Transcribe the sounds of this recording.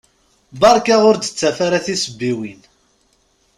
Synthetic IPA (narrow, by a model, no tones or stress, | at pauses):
bɑɾˤkaʁʊɾd̪ə̥t͡sːæfaɾaθisəbːiwin